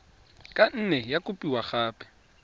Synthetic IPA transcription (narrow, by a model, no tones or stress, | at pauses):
kʼan̩nɛjakʼʊpʼiwaχaːpʼɛ̥